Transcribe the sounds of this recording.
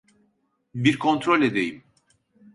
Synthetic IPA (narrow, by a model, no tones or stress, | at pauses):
biɾkʰo̞nt̪ɾo̞lʲed̪e̞jim